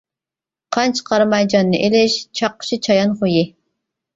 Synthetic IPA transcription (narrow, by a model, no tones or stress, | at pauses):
qʰɑnt͡ʃʰqʰɑɾmɑjd͡ʒɑnːɨʔelɪʃt͡ʃʰɑqːə̥ʃit͡ʃʰɑjɑnχuji